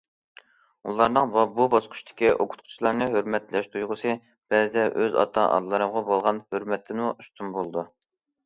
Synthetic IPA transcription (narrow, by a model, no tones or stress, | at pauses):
ṵlˠɑɾnɨŋbɑbubɑsqʰʊ̥ʃt̪ʰɪ̥kʲiʔokʰʊ̥t̪̚qʰʊ̥t͡ʃʰilˠɑɾnɨɦøɾmɛt̪lɛʃt̪ʰujʁʊsɨ | b̥ɛzɨd̪ɛʔøzɑ̰t̪ʰɑʔɑ̰d̪lˠɨɾɨmʁɑbolˠʁɑnhøɾmɛt̪ʰːɪnmuust̪ʰunbolˠɨd̪u